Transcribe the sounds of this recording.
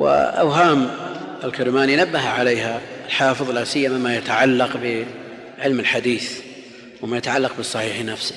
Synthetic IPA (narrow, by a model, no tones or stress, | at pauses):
wɪ̰ʔa̰wɦaːmɪlkɪɾmaːninabːaɦʕalejːhaɪlħɑːfɨðˤlasɪjːamamajat̪aʕalːɑqbɪ | ʕɪlmɪlħad̪iːθ | wɪmajat̪aʕalːɑq̚bɨsˤːɑħiːħnafsɪ